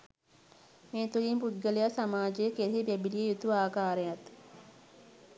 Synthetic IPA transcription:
meːt̪ulimpud̪̚ɡəlejasamaːd͡ʒejəkeɾɦibɛbilijejut̪uʋaːkaːɾejat̪

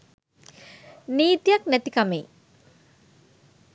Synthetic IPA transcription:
niːt̪ijaknæt̪ikamej

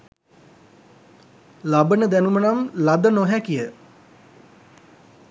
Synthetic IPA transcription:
labənəd̪ænumənamlad̪ənoɦækijə

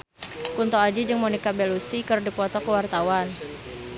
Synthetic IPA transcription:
kunt̪oad͡ʒid͡ʒɨŋmonikabelusikərdipɔt̪ɔkəwart̪awan

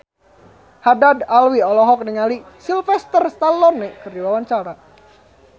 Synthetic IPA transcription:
hadadalwiɔlɔɦɔk̚niŋali | silfɛst̪ərst̪alɔnːekərdiwawaɲt͡ʃaɾa

